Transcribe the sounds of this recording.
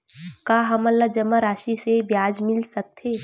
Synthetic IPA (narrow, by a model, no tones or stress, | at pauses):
kaːɦɐmɐlːad͡ʒəmːaɾaːʃisebjaːd͡ʒmɪlsɐk̚t̪ʰeː